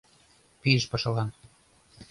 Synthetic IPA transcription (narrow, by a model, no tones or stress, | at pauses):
piəʃpɤʃɤ̆lɑn